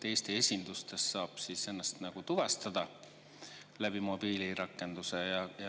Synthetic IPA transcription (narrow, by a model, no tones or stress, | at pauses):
e̞ːst̪eesʲind̪ust̪esːɑːb̥siːse̞nːɑst̪nɑɡ̥ut̪uvɑst̪ɑd̪̥ɑ | læb̥imo̞b̥iliɾɑkːˑe̞nd̪̥use̞jɑjɑ